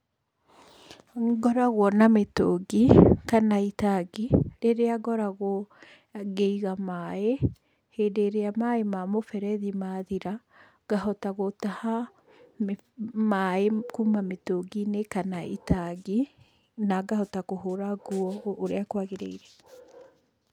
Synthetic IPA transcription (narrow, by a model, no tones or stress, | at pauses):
ɡɔɾaɣwɔnametoɡikanaitaɡiɾeɾeaɡɔɾaɣwɔ | ɡeiɣamae | heːdeɾeamaemamofɛɾɛðimaðiɾa | ɡ̥aɦɔtaɣotaha | m | maekumametoɡinekanaitaɡi | naɡahɔtakoɦoɾaɡuɔoɾeakwaɣeɾḛiɾɛ